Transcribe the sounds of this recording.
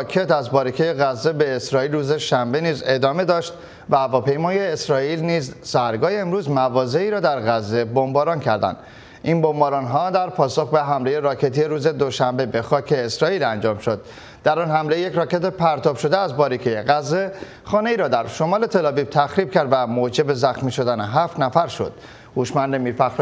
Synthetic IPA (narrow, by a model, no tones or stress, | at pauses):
kʰet̪æzbɒːɾicʰejeɣæzːe̞be̞ːsɾɒːiːlrɾuːze̞ʃæmbe̞niːze̞d̪ɒːme̞d̪ɒːʃt̪ | væævɒːpe̞jmɒːjeːsɾɒːiːlniːzsæɾɡɒːjeːmɾuːzmævɒːze̞iːɾɒːd̪æɾɣæzːe̞bo̞mbɒːɾɒncʰæ̰ɾd̪æ̰nd̪ | ʔinbo̞mbɒːɾɒnɦɒːd̪æɾpʰɒːso̞xbe̞ɦæmle̞je̞ɾɒːcʰe̞t̪ʰijeɾuːze̞d̪o̞ʃæmbe̞be̞xɒːcʰe̞ːsɾɒːiːlænd͡ʒɒːmʃo̞d̪̥̚ː | æɾɒːnhæmle̞jecɾɒːce̞t̪epʰæɾt̪ʰɒːb̥ʃo̞d̪eæzbɒːɾikʰejeɣæzːe̞ | xɒːne̞iːɾɒːd̪æɾʃo̞mɒːle̞t̪ʰelɒːviːb̥̚t̪ʰæxɾiːb̥̚cʰæɾd̪væmod͡ʒe̞be̞zæxmiːʃo̞d̪æneɦæft̪næfæɾʃo̞̰d̪̥ | huːʃmænd̪e̞miːɾfæxɾ